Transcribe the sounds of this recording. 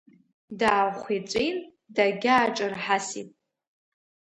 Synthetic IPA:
daːχʷit͡sʷʼejn | daɡʲaːʈ͡ʂʼɨrħasḭpʼ

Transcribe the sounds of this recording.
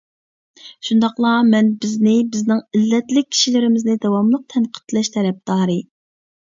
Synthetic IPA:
ʃund̪ɑqlˠɑmɛnbɪznɪbɪznɪŋilːɛt̪lɪk̚ʲʰːi̥ʃilɪɾɪmɪznɪd̪ɑwɑmlˠəq̚t̪ʰɛnqʰə̥t̪lɛʃt̪ʰɛɾɛp̚d̪̥ɑːɾɨ

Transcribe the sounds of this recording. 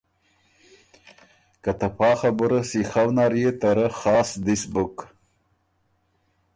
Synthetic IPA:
kat̪apɑːxabəɾəsixawnaɾjet̪aɾaxɑːsd̪isbuk

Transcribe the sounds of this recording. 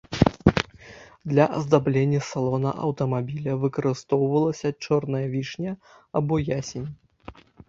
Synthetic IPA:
d̪lʲɐʔɐ̰zd̪ablʲenʲːɐsalˠɔnɐ̰ʔɐ̰wt̪ɐmabʲilʲɐvɨkɐɾɨst̪ɔwvɐlˠɐsʲɐt͡ʂɔrnɐjɐvʲiʂnʲɐ | ɐbɔjasʲenʲ

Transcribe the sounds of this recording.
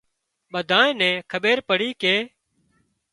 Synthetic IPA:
ɓəd̪ʱaːẽːnɛ̃ːkʰəɓeːɾpəɽiːkeː

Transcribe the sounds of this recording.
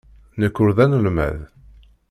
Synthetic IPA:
nəkːʊɾðænəlmæ̰ð

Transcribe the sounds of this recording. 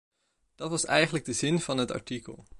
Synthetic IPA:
d̥ɑtʋɑsɛjχənləɡ̚dəzɪnvɑnɦətɑ̰ɹtikə̰lˠ

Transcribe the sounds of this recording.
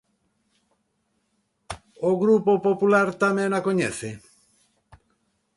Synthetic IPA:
oɣɾupopopulaɾt̪amẽŋakoɲɛθe

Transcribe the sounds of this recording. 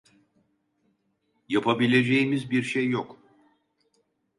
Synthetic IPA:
japʰabilʲe̞d͡ʒe̞jimizbiɾʃejːok

